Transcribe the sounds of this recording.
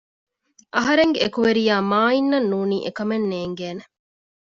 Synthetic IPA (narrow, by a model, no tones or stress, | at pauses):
ʔɐɦɐɾeŋɡeekuʋeɾijaːmaːinːɐnːuːnḭːʔekɐmenːeːŋɡeːne